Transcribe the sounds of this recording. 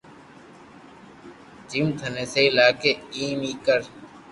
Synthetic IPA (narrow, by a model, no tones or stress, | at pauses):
d͡ʒimt̪ʰəneːseːɪlaːkeːiːmiːkəɾ